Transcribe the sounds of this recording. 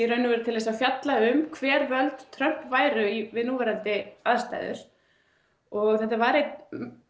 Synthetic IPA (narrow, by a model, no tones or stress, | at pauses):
iɾœɥnʏvɛɾʏt̪ʰɪlɛs̬aðfjat̪laʏmkʰvɛːɾvœlt̪t̪ʰɾœhpvaːjɾʏivɪðnuːvɛɾalt̪ɪað̥st̪a̰ːjðʏ̰ɾ̥ | ɔɣθɛht̪ːavaɾejt̪